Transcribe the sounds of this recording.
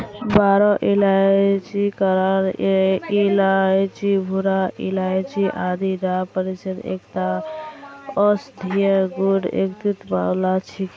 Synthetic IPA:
baɾɔʔilat͡ʃikəɾaɾilat͡ʃibʱuɾaḭlajt͡ʃiʔad̪iɾapəɾisəd̪ḛkʈ̪a | ɔsd̪ʱijəɡuɖḛkt̪ut̪ba̰wlat͡ʃʰik

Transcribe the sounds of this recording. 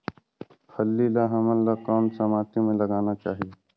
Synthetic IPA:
pʰɐlːilaɦɐməlːakɔːnsɐmaːt̪ʰimẽlɐɡaːnat͡ʃaːɦije

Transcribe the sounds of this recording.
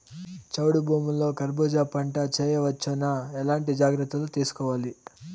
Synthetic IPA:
t͡ʃɐwɽubʱuːmulːo̞ːkɐɾbɔːd͡ʒaːpɐɳʈɐt͡ʃeːjɐʋɐt͡ʃːunaɛlaːɳʈid͡ʒaːɡɾɐt̪ːɐlut̪iːsu̥kɔːʋaːli

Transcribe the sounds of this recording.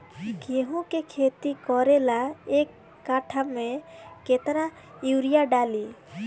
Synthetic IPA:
keɦũkekʰet̪ikɔɾelaekː | aʈʰamẽket̪ɾa | uwɾijaɖali

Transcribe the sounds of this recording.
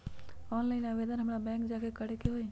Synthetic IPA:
ɔːnlaːɪnaʋeːd̪ənɦəmɽabɛ̃ːŋkd͡ʒaːkʰekəɽekeɦoe

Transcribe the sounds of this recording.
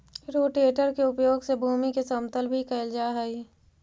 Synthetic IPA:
ɾoːʈeːʈəɾkeʊpjoːɡsebʱuːmikesəmt̪əlbʱikɐld͡ʒaːɦəi

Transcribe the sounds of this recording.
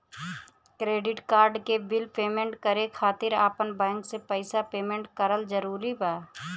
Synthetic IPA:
kɾeːɖɪʈkaːɾɖkebɪlpeːmẽɳʈkəɾekʰaːt̪ɪɾaːpənbɛ̃ːŋksepəɪsapeːmẽːɳʈkəɾəlzəɾuːɾibaː

